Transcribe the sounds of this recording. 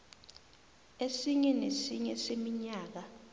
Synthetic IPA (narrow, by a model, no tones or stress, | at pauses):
esiɲɛnesiɲɛsemiɲaːk̬a